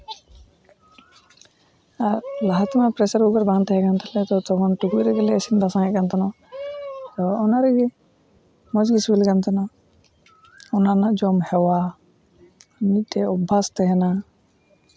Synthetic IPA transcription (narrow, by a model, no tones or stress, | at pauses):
aɾlaɦat̪imapɾɛsaɾuɡaɾbaŋt̪ɛɦɛɡant̪ʰɛlɛt̪ɔt̪ɔbɔnʈuɡujɾɛɡɛlɛːsind̪asãɦɛʔ̚kant̪anɔ | t̪ɔːnaɾɛɡɛ | mɔd͡ʒɡisbilɡant̪anɔ | ɔnanad͡ʒɔmhɛwa | nic̚ʈɛɔbʱːast̪ɛɦɛna